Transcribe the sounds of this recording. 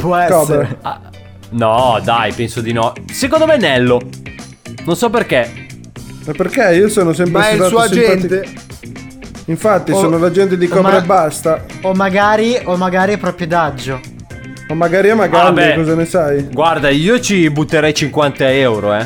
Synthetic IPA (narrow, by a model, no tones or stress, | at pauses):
pwɔɛkɔea | nɔd̪ajpɛnsod̪inɔsekõnd̪omɛnɛlːo | nonsɔp̬erke | apːerkeiosoːnosɛmpɾet̪sasusd͡ʒɛnt̪e | iɱfat̪ːisoːnolad͡ʒɛnt̪̬ed̪ikɔmbɾebast̪aomːaɡaːɾiomːaɡaːɾiapɾɔpɾjod̪ad͡ʒːo | mamːaɡaːɾiamaɡalbiɛkɔzanesajɡward̪aiːot͡ʃibut̪ːeɾɛjt͡ʃiŋkwant̪aɛwɾoɛ